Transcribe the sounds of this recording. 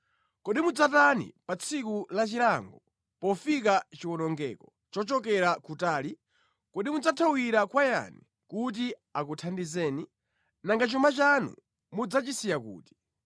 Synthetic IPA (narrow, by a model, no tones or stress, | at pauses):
kɔɗimud͡zatanḭpat͡sʰikulat͡ʃilaŋɡɔ | pɔfik̬at͡ʃiwɔnɔŋɡɛːkɔ | t͡ʃɔt͡ʃɔk̬ɛɾakutaːli | kɔɗimud͡zatʰawiɾakwaja̰ni | kut̬i | akutʰandizɛːni | naŋɡat͡ʃumat͡ʃanṵ | mud͡zat͡ʃisijakṵːti̥